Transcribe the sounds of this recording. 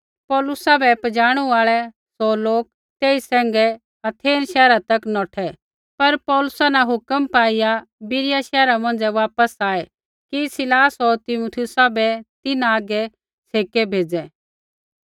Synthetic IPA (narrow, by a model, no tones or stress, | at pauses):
pɔːlʊsabʱɛpɐd͡ʒaːɽ̃uaːɭɛ | sɔːloːk̚ | t̪eːisɛ̃ːŋɡɛ | ɐt̪ʰeːnʃɛːɾat̪ɐknɔːʈʰɛ | pɐɾpɔːlʊsanaɦʊkəmpaːɪjabɪɾɪjaʃɛːɾamɐ̃nd͡zɛʋaːpəsaːɛ | kisɪlaːsɔɾt̪ɪmʊt̪ʰɪʊsabʱɛt̪ɪnaːɡɛ | t͡sʰeːkɛbʱeːd͡zɛ